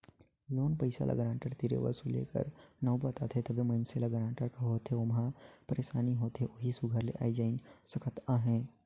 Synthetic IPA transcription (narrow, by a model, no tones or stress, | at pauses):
loːnpəɪsa̰lʔɐ̰ɡəɾãːɳʈəɾt̪iɾḛʋə̰ɾsulḛːkə̰ɾnɐwbat̪at̪ʰet̪ɐbʱemɐ̃ɪnselɐɡəɾãːɳʈəɾkaɦoːt̪ʰɦeomɦãpəɾeːʃaːniɦoːt̪ɦeʔoɦisʊɡʱəɾlḛʔa̰ːid͡ʒaːɪnsɐkʰət̪ãːɦẽː